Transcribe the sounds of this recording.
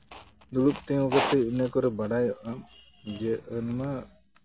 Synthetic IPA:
d̪uɽup̚t̪ɛŋɔkɔt̪ɛinəkɔɾɛbaɽajɔʔam | d͡ʒɛʔənma

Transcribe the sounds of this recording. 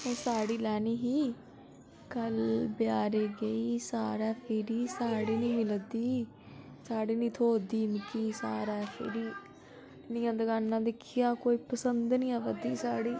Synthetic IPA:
eːsaːɽiːlɛːniːɦiː | kəlbjaːɾeːɡəiːsaːɾɛːpʰɪɾiːsaːɽiːnĩːmɪld̪iː | saːɽiːnĩːt̪ʰoːd̪iːmɪkiːsaːɾɛːpʰɪ̰ɾiː | nɪ̃ːãːd̪əɡaːnːãːd̪ekʰːɪjãːkoːiːpəsənd̪nĩːãːʋəd̪iːsaːɽiː

